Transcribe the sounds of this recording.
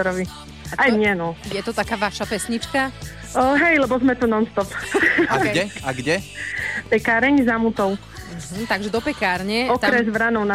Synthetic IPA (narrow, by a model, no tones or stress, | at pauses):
ɔɾɔʋi | aajɲɪɛnɔjɛt̪ɔt̪akaːʋaʃapɛsɲit͡ʃka | ɦɛjlɛbɔzmɛt̪unɔnst̪ɔpaɛaɡɟɛpɛkaːɾɛɲzamut̪ɔw | m̩ɦm̩t̪aɡʒɛd̪ɔpɛkaːɾɲɛɔkt̪aɾɛzʋɾanɔʊna